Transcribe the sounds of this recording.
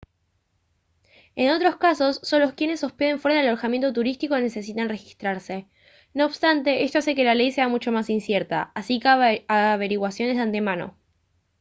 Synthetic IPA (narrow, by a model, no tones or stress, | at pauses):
eno̞t̪ɾo̞skaso̞sːonloskjene̞sːo̞speðe̞ɱfwe̞ɾaðeloɾxamje̞nt̪o̞t̪uɾist̪iko̞ne̞se̞sit̪anre̞xist̪ɾaɾse̞ | no̞ːβst̪ant̪e̞ʔe̞st̪oase̞ke̞lale̞jse̞amut͡ʃo̞masinsjeɾt̪a̰asikaaβe̞ɾiɣwasjo̞ne̞zðant̪e̞mano̞̰